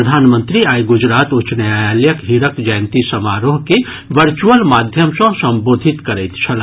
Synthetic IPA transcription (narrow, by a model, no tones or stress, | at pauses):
əd̪ʱaːnmə̃nt̪ɾiaːjɡʊd͡ʒɾaːt̪ʊt͡ʃnəjajaːljəkɦiɾəkd͡ʒaːnt̪isɐmaːɾoːɦke | ʋəɾt͡ʃuəlmaːd̪ʱjəmsõsɐ̃mboːd̪ʱɪt̪kɐɾɛjt̪t͡ʃʰɐla